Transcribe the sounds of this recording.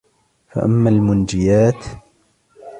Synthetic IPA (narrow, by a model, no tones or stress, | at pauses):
fa̰ʔamːaːlmʊnd͡ʒɪjaːt̪